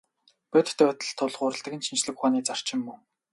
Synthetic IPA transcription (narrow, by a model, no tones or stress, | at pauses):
pʲœt̪̆ʰt̪ʰœːæt̪ə̆ɮt̪ʰːʊɮʁʊːɾə̆ɬt̪ə̆kɘ̆nʃint͡ɕɮɘ̆kχaːniːt͡sar̥t͡ɕɪ̆mːɵŋ